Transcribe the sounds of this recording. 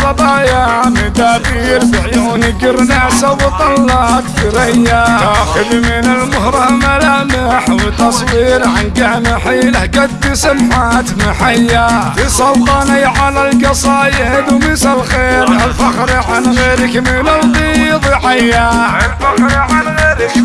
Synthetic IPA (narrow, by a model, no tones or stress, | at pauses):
fɑt̪ˤɑːjamɪd̪aːbiːɾbɪnɪɡɪɾnaʕsabɪt̪ˤɑlːɑʕt̪bɪɾajːaaxɪbmɪnalmʊhɾˤɑmalamaħwɪt̪ɑsˤwiːɾʕanɡaʕmɪħiːlahɡad̪ːɪsamħaːt̪mɪħajːatɪsˤɑlt̪ˤɑnajʕalalɡɑsˤɑjɪhɪd̪umɪsalxeːɾalfaxɾʕanɣeːɾɪkmɪnalɣiːðˤɪħajːaalfaxɾʕanɣeːɾɪk